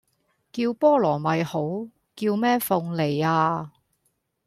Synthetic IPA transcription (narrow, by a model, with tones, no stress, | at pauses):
kiː˧wpɔː˥lɔː˨˩mɐ˨jho˨˥w | kiː˧wmɛː˥fʊ˧ŋle˨˩jaː˧